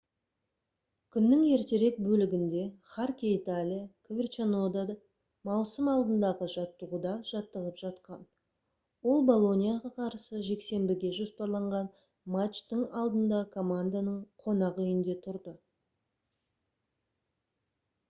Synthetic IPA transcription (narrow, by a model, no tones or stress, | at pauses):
kʲʰʏnːɪŋe̞ɾt̪e̞ɾe̞k̚bɵlɪɡʲɪnd̪e̞χarkʲeit̪alʲijakʲʰvʲɪrt͡ʃanod̪ad̪ | mɑwsəmɑlˠd̪ənd̪ɑʁəʒɑt̪ːəʁud̪ɑʒ̥ɑt̪ːəʁəpʒ̥ɑt̪qɑn | wo̞lˠbo̞lˠo̞nʲijaʁɑqʰɑɾsəʒe̞kse̞mbɪɡʲe̞ʒo̞spɑɾlˠɑɴʁɑn | mat͡ʃt̪əɴɑlˠd̪ənd̪ɑkʰo̞mand̪anəɴqʰo̞nɑqʏjɪnd̪e̞t̪ʰʊɾd̪ə